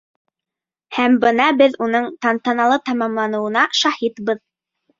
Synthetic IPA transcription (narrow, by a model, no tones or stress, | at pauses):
hæmbɤn̪ɑbɘðunɤɴt̪ɑnt̪ɑnɑlˠɤt̪ɑmɑmlˠɑnɤ̆wɤ̆nɑʃɑhit̪bɤð